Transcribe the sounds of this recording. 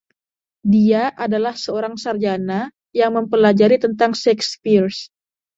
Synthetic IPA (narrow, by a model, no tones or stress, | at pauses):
diaʔadalahsəoɾaŋsard͡ʒana | jaŋməmpəlad͡ʒaɾit̪ənt̪aŋʃɛkspirs